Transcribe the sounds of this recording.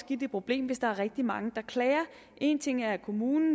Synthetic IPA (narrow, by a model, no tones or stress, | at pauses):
sɡ̥id̥əpʰʁo̝b̥le̝̰ːmʋe̝sd̥ɑ̈æɐʁɛɡ̥̚d̥imɑ̈ŋəd̥ɑ̈kʰlɛːɐ | ʔe̝nt͡sʰe̝ŋ̰æɐkʰo̝muːnn̩